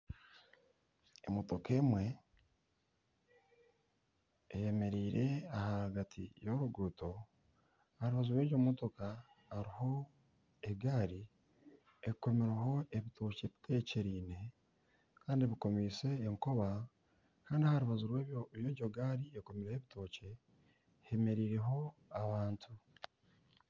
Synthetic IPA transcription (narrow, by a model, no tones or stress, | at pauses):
emoto̞keːmwe̞ | ejeme̞ɾiːɾʔe̞ahaɡatʰijoɾuɡuuto̞ | haɾuβazuɾweːɟomotoka | hːɾiho̞ | eɡaːɾi | eko̞miɾeɦo̞e̞βitʰo̞ːce̞βi̥tʰe̞ːceɾiːne̞ | kaːndiβiko̞miːse̞ːŋko̞βa | kaːndiahaɾuβazuɾweːβjoβjoɟo̞ɡaːɾieko̞miɾeheβitʰo̞ːce̞ | heme̞ɾiːɾe̞ɦo̞aβaːntʰu